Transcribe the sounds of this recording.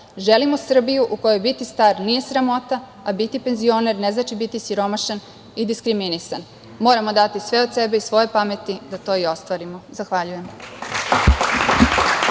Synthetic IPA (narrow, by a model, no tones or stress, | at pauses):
ʒelimo̞sr̩bijuʔuko̞jojbit̪ist̪aːɾnije̞sɾamo̞t̪a | abit̪ipe̞nzio̞ne̞ɾneznat͡ʃibit̪isiɾo̞maʃan | id̪iskɾiminisan | mo̞ːɾamo̞d̪at̪isʋe̞od̪sebeisʋo̞jepame̞t̪id̪at̪o̞ːio̞st̪ʋaɾimozaxʋaʎuje̞m